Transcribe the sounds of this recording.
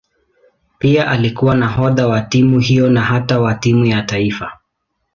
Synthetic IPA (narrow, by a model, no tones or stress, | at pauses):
piaʔalikuwanaɦɔðawatimuhijɔnaɦatawatimujataifa